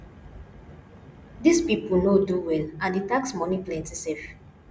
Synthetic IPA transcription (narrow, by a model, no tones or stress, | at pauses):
dispipunoduwɛlãnditaksmɔniplɛ̃ntisɛf